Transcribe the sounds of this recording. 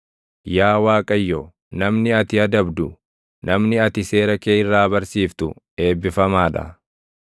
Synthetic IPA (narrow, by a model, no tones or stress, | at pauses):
jaːwaːkʼɐjːo | nɐmnɪɐt̪ɪɐd̪ɐbd̪ʊ | nɐmnɪɐt̪ɪse̞ːɾɐkeːɪrːaːbɐɾsiːft̪ʊ̰ | e̞ːbːɪfɐmaːᶑɐ̰